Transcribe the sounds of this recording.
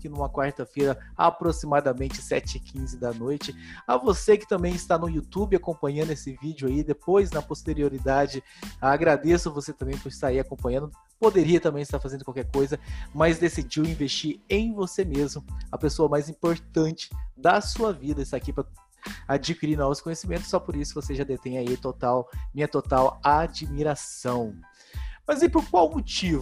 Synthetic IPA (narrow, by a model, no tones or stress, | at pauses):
kɪnũmɐkwaɾt̪ɐfejɾɐapɾosimad̪ɐmẽnt͡ʃɪsɛt͡ʃɪɪkʰĩzɪd̪ɐnojt͡ʃɪɐvosekɪ̥t̪ɐ̃mbẽj̃ɪst̪anʊut̪ubɪakõpɐ̃ɲɐ̃d̪ʊesɪvid͡ʒɪʊaid̪epojznɐpost̪eɾioɾid̪ad͡ʒɪ | aɡɾad̪esʊɐvoset̪ɐ̃mbẽj̃poɾɪst̪aɾaiɾakõmpɐ̃ɲɐ̃nd̪ʊd | pod̪eɾiɐt̪ɐ̃mbẽj̃ɪst̪aɾfazẽnd̪ʊkwawkɛɾkojzɐmɐzd̪esid͡ʒiwĩvest͡ʃiɾẽj̃vosemezmʊɐpesoɐmajzĩpoɾt̪ɐ̃nt͡ʃɪ̥d̪ɐsuɐvid̪ɐɪst̪aakipɾɐ | ad͡ʒikiɾiɾnɔvʊskõɲesimẽnt̪ʊsːɔpoɾisʊvoseʒad̪et̪ẽj̃ɐit̪ot̪awmĩɲɐt̪ot̪awad͡ʒmiɾasɐ̃w̃ | mɐzaipoɾkwawmot͡ʃivʊ